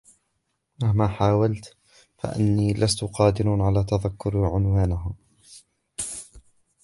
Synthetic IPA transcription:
mahmaːħaːwalt̪ | fa̰ʔɪ̰nːiːlʔast̪ʊqɑːd̪ɪɾnʕalaːt̪aðakːʊɾʕʊnwaːnɦaː

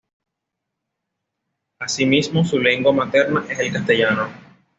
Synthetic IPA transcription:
asimismosule̞ŋɡwamat̪e̞ɾnaʔe̞selkast̪e̞ʝano

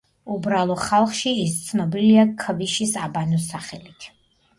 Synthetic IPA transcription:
ubɾalˠɔχalˠχʃiːst̪sʰnɔbiliakʰviʃisabanɔsaχɛlit̪ʰ

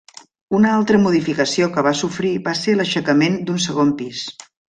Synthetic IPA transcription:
unəalˠt̪ɾəmuðifikəsiokəβ̞asufɾiβaseləʃəkəmend̪unsəɣ̞ompis

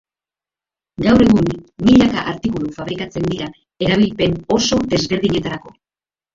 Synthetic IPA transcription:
ɡawre̞ɣunmiʎakaʔaɾt̪ikulufaβ̞ɾikat͡se̞nd̪iɾa | e̞ɾaβ̞ilpe̞no̞so̞d̪e̞zβe̞ɾðiɲe̞t̪aɾako̞

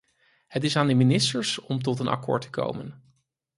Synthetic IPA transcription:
hətɪsaːndəminɪstəɹsɔmt̬ɔtənʔɑ̰kʊ̰ːɹtə̥ko̰wmə̰n

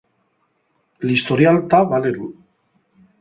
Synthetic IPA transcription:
list̪oɾialt̪aβaleɾu

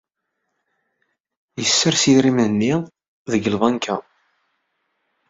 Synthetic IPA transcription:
jəsːəɾsiðɾimənːi | ðəɡəlðˤɑnkʰæ

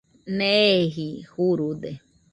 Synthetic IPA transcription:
neɦihuɾud̪e

